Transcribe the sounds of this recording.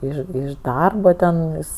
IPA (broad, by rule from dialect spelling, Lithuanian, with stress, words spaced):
ˈɪʃ ɪʃ ˈdɐrboː tʲɛn ˈjɪs